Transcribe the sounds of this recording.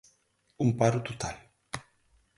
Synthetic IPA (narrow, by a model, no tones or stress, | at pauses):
umpaɾut̪ut̪al